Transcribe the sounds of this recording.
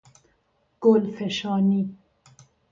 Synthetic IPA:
ɡ̥olfeʃɔːni

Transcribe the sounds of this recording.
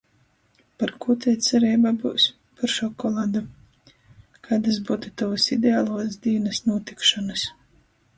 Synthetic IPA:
paɾkut̪ʲɛjt̪sʲɛɾɛːbabuːs | paɾʃɔkɔlˠad̪u | kaːd̪as̬buːt̪ut̪avasid̪ʲeaːlˠuɔsd̪iːnɨsnuɔt̪ikʃɔnas

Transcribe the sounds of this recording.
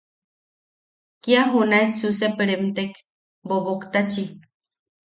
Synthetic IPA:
kiaɦunaet͡susepəɾemt̪ek | boβokt̪at͡ʃi

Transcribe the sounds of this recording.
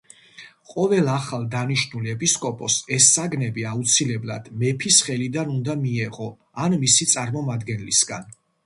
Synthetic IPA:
qʼɔvɛlˠaχalˠd̪aniʃnuliɛpʼiskʼɔpʼɔsɛsːaɡnɛbiaut̪sʰilɛblˠa̰d̪̥mɛpʰisχɛlid̪anund̪amiɛʁɔ | anmisit̪sʼaɾmɔmad̪ɡɛnlisɡa̰n

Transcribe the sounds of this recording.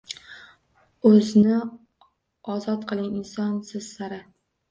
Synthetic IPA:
ɵznɪ | ɒzɒt̪qʰɨlˠɪŋɪnsɒnsɪz̥ːaɾɪ

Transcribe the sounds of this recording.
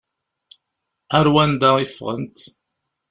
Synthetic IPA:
æɾwænd̪aifːʁə̰nt̪

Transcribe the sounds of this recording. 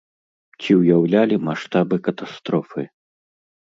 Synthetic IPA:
t͡sʲiwjawlʲalʲimaʂt̪abɨkɐt̪ast̪ɾɔfɨ

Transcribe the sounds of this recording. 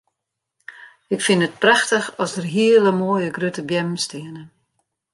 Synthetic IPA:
ɪkfɪnət̚praxtəxɔsdərɦiələmoːjəɡrytəbjɛmstʰɪənə

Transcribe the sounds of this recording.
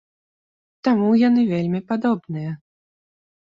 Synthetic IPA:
t̪amujanɨvʲelʲmʲipad̪ɔbnɨjɐ

